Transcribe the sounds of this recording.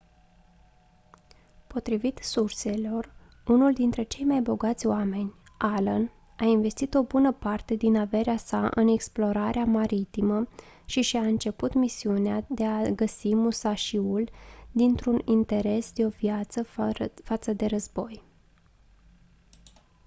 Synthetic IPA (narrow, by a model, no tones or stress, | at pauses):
po̞t̪ɾivit̪surse̞lo̞r | unuld̪int̪ɾe̞t͡ʃe̞jmajbo̞ɡat̪sʲoame̞nʲ | alən | ainve̞st̪it̪o̞bunəpart̪e̞d̪inave̞ɾeasaʔɨ̰ne̞ksplo̞ɾaɾeamaɾit̪imə | ʃiʃiaɨnt͡ʃe̞put̪misiunead̪e̞aɡəsimusaʃiuld̪int̪ɾunint̪e̞ɾe̞sd̪eo̞vjat̪səfat̪səd̪e̞ɾəzbo̞j